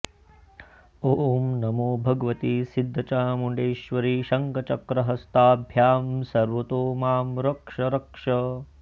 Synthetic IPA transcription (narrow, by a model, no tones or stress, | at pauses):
oːmnɐmoːbʱɐɡɐʋɐt̪isid̪ʱːɐt͡ʃaːmuɳɖeːʃʋɐɾiːʃɐŋkɐt͡ʃɐkɾɐɦɐst̪aːbʱjaːmsɐɾʋɐt̪oːmaːmɾɐkʂɐɾɐkʂɐ